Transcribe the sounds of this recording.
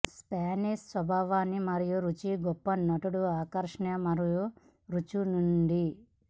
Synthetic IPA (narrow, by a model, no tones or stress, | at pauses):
spaːniʂsʋɐbʱaːʋaːnːimɐɾijuɾut͡ʃiɡɔpːɐnɐʈuɽuaːkɐɾʂɐɳɐmɐɾiju | ɾut͡ʃunuɳɖi